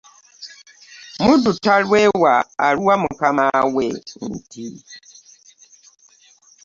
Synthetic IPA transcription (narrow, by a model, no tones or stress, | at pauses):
mudutaɾwewaa̰ɾuwamʊkamawen̩ti